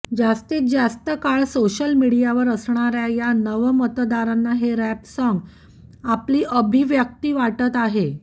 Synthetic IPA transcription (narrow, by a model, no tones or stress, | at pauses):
d͡zast̪iːt̪̚d͡zast̪əkaɭsoɕəlmiɽijaʋəɾəsɳ̃aɾjajanəʋəmət̪d̪aɾanːaɦeɾæpsəŋɡ | apliːʔəbʱiʋjək̚t̪iːʋaʈət̪aɦe